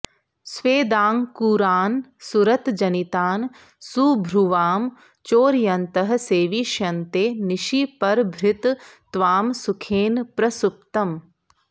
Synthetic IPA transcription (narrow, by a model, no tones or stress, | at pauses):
sʋeːd̪aːŋkuːɾaːnsuɾɐt̪d͡ʒɐnit̪aːn | subʱɾuʋaːm | t͡ʃoːɾjɐnt̪ɐɦɐ̆seːʋiʃjɐnt̪eːniʃipɐɾbʱɾɪt̪t̪ʋaːmsukʰeːnpɾɐsup̚t̪ɐm